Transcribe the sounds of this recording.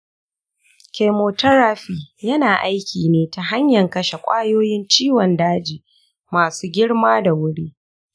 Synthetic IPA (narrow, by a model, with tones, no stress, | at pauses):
kʲe˨moː˨tɐ˦ɾaː˦ɸiː˨jɐ˦naː˨ʔa˦jkʲiː˨neː˦ta˨ɦa˦ɲjɐ˨ŋkɐ˦ʃe˨kʷʼaː˦joː˦jɪ˦nt͡ʃiː˦wɔ˨ndaː˦d͡ʒiː˨ | maː˨suː˦ɡʲɪ˦ɽmaː˦da˨wʊ˦ɽiː˦